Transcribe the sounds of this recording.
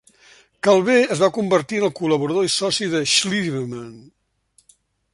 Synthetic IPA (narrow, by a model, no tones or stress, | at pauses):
kalˠβeəzβakumbəɾt̪iənəlˠkuləβuɾəðoisɔsiðəʃliβəmən